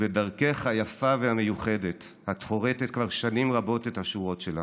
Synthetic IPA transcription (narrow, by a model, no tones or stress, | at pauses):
bedaʁkeχajafavehame̞juχe̞de̞t | hat̪χo̞ʁetetkvaʁʃanimʁabo̞tethaʃuʁo̞tʃela